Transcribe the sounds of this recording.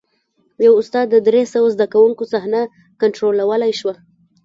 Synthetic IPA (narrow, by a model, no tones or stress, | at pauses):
jawʊst̪ɑd̪ːəd̪ɾesəwazd̪akawuŋkosaɦna | kaɳʈɾolawəlajʃwa